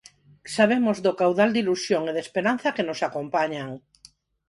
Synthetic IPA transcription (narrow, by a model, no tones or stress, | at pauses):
saβemozðokawðald̪ilusjoŋeðespeɾan̟θakenosakompaɲaŋ